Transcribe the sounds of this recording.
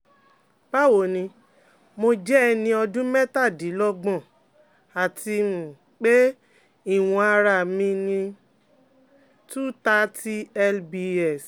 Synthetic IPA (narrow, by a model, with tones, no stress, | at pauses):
ba˦wo˨nĩ˧ | mo˧d͡ʒɛ˦˧nĩ˧ɔ˧dũ˦mɛ˦ta˦˨di˨˦lɔ˦ɡ͡bɔ̃˦˨ | a˨ti˧mũ˨ | k͡pe˦ | i˦˨w̃ɔ̃˧a˧ɾa˨mĩ˧nĩ˧ | tu˦ta˦ti˦ɛ˦lbi˧ɛ˦˨s